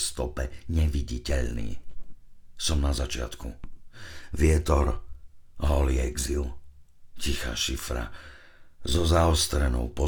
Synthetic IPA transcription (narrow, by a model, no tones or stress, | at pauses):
st̪ɔpɛɲɛʋiɟicɛʎnḭː | sɔmnazat͡ʃɪa̰t̪ku | ʋɪɛt̪ɔɾ | ɦɔliɛɡzil | cixa̰ːʃifɾa̰ | zɔzaɔst̪ɾɛnɔʊpɔ